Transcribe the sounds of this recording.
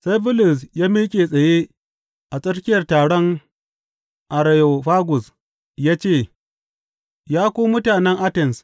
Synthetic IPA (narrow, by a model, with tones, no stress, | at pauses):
sa˦jbʊ˦lʊ˨sjaː˦miː˦kʲʼeː˨sʼɐ˨je˦ | ʔa˨sʼɐ˦ɾkʲɪ˦jɐ˨rtaː˨ɽɔ˦ŋ | ʔa˨ɾa˨jo˨ɸaː˦ɡʊ˨s | jaː˦t͡ʃeː˦˨ | jaː˦kʷoː˦mʊ˦taː˨nɛ˦ŋʔa˦tɛ˨ns